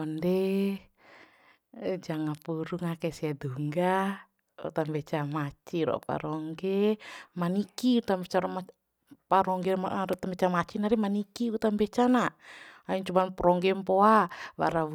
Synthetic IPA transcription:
ɔndɛ | d͡ʒaŋapuɾuŋakɛsiaduŋɡa | ṵt̪ambɛt͡ʃamat͡ʃiɾɔ̰pa̰ɾɔŋɡɛmanikiut̪ambɛt͡ʃaɾɔm | paɾɔŋɡɛaɾut̪ambɛt͡ʃamat͡ʃinaɾɛmanikiut̪ambɛt͡ʃanaaiɲt͡ʃumanpɾɔŋɡɛmpoaβa̰ɾau

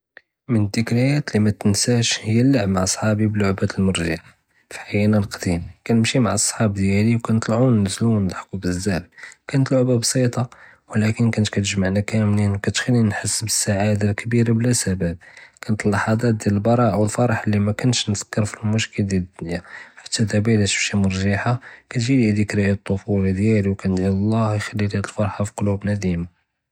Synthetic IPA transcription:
mənəd̪ikɾæjæt̪limæt̪ənsæʃhəjːælːəʕmaʕɑsˤħɑbibəlːʊʕbæt̪əlmʊɾʒaʕ | fi̥ħajænælqd̪imkænəmʃimaʕɑsˤːħɑbd̪jæliwkænt̪ˤlʕunːəzlunlħkubəzːæhmkænət̪lʊʕbabsˤit̪ˤɑ | wlækənkænt̪kæt̪əʒmaʕnakæmlinwkæt̪xælːinħəsːbəsːaʕad̪alkbiɾablæsæbæb̚kænət̪əlːɑħɑd̪ˤɑt̪̚d̪jæləlbɑɾˤɑʕawəlfɑɾˤɑħəlːimækʊnːʃnz̥ə̥kːəɾfilmʊʃkəld̪jæd̪æħḁt̪ːæd̪æbilæʃə̥fʃimʊɾˤʒɑħakæt̪ʒilid̪ikɾijt̪ˤːofuld̪jæliwkænt̪jillˤːɑhjxælːilæd̪əlfɑɾˤħafiqolubnæd̪imu

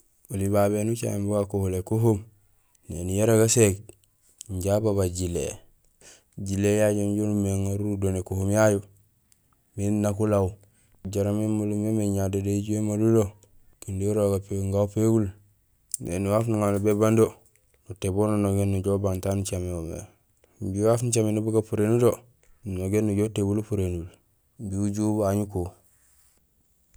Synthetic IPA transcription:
ulibaβenut͡ʃa̰mbuɡakuhulekuɦom | nḛnujaɾaɡasek | ɲɟabaβaɟilḛ | ɟilejaɟamɟonumeŋaɾuudonekuhomjaju | minnakulaw | ɟaɾamemalumemeɲadedeiɟemalulo | indiɾoɡapeɡuŋɡaupeɡul | nḛnuwafnuŋalubebando | nutebononoɡenːuɟobantanut͡ʃameomḛ | mbiwafnut͡ʃamenubuɡapuɾenudo | noɡenːuɟotebulupuɾenul | biuɟubaɲuku

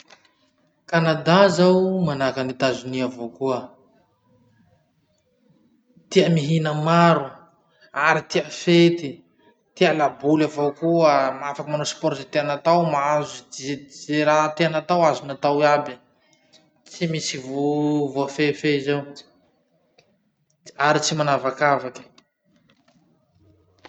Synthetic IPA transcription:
kanad̪azawmanakanit̪azuniavokuə | t̪iəmiɦinəmaɾu | aɾit̪iafet̪i | t̪ialabulavokuəmafakəmanospɔɾtzet̪eanat̪awmazuzeɾat̪eanat̪awazunat̪awiabi | t͡simisivovoafefeizewi̥ | aɾit͡simanavakavaki̥

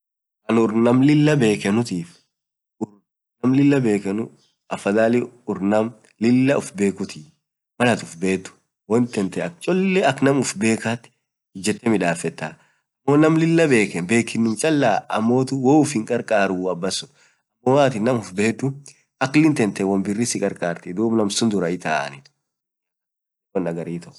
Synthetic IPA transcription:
kɐnʊɾnɐmlɪlːɐbe̞ːkɛnʊt̪iːf | ʊɾ | nɐmlɪlːɐbe̞ːkɛnʊ | ʔɐfɐd̪aːlɪʊɾnɐm | lɪlːɐʊfbe̞ːkʊt̪iːf | mɐlɐt̪ʊfbe̞ːt̪ːʊ̥ | wɐnt̪ɛnt̪ɛɐk̚t͡ʃʼɔlːɛɐknɐmʊfbe̞ːkat̪ːɪ̥ | hɪd͡ʒɛt̪ːɛmɪᶑaːfɛt̪ːaː | ɐmːoːnɐmlɪlːɐbe̞ːkɛnbe̞ːkːɪnːʊmt͡ʃʼɐlːaːʔɐ̰mːo̞ːt̪ʊwoːʊfɪŋkʼɐɾkʼaːɾuːɐbːɐsːʊ̥ | ɐmːomaːt̪ɪnːɐmʊfbe̞ːt̪ːʊ | ʔɐklɪnt̪ɛnt̪ɛwɐmbɪrːɪsɪkʼɐɾkʼaːɾt̪ɪd̪uːbnɐmsʊnd̪ʊɾɐɪt̪a̰ːʔɐ̰nɪt̪ | ɔnːɐɡɐɾiːt̪ɔʔ

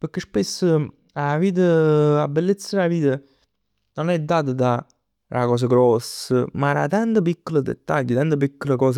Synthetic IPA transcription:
pəkːespesːə | aviːt̪̬əabːelːet̪sːəɾaviːt̪ə | nonɛd̪ːaːt̪əd̪a | ɾakɔːs̬əɡɾɔsːəmaɾa̰t̪ant̪əp̬ikːoləd̪ḛt̪ːaʎːət̪ant̪əp̬ikːoləkɔːs̬ə

